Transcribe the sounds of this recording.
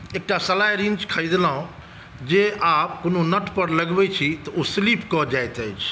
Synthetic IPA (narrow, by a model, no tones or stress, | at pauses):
eːk̚ʈasɐlaːjɾĩnt͡ʃkʰəid̪lãõ | d͡ʒeːʔaːpkʊnonəʈpɐɾlɐɡbet͡ʃʰit̪ɐosliːpkɔd͡ʒaːjt̪əjt͡ʃʰ